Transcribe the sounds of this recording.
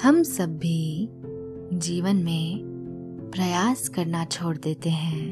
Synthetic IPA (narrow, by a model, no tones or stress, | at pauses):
hɐmsɐbːi | d͡ʒiːʋənmẽ | pɾɐjaːskɐɾnat͡ʃʰoːɽd̪eːt̪eɦɛ̃ː